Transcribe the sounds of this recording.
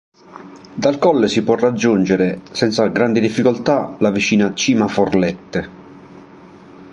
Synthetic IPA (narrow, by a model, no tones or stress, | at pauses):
d̪alkɔlːesipwɔrːad͡ʒːund͡ʒeɾesɛnt̪saɡɾand̪id̪ifːikɔlt̪alavit͡ʃiːnat͡ʃiːmaforlɛt̪ːe